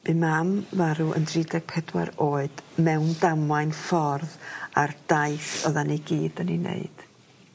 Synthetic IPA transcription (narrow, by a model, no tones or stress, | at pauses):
b̥ɨnmamvaɾuʔə̰ndrɪdɛɡ̥̚pʰɛdwa̰ɾoːɨd̥mɛwndamlˠajnfɔrðard̥aɨθɔðaniɡiːdəninḛɨd̥